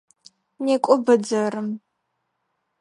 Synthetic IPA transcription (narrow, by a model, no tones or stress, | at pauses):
neːkʷʼʊbɨd͡zɐɾɨm